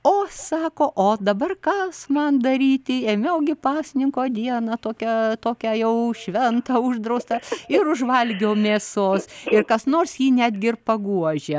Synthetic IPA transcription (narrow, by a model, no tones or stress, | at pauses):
oːsɑːkoːʔoːd̪ɐbɐrkɐsmɐnd̪ɐɾʲiːt̪ʲɪeːmʲeʊɡʲɪpɑːsʲɪnʲɪŋkoːd̪ʲiɛnɐt̪oːkʲɛt̪oːkʲæjɛʊʃʲʋʲɛnt̪ɑʊʒd̪ɾɐʊst̪ɐɪɾʊʒʋɐlʲɡʲoːmʲeːsoːsɪrkɐsnoːrsjiːnʲæːd̪ʲɡʲɪɪrpɐɡuɔʒʲɛ